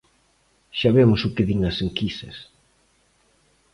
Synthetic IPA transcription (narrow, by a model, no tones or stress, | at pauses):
ʃaβemʊsʊkɪðiŋɐseŋkisɐ̰s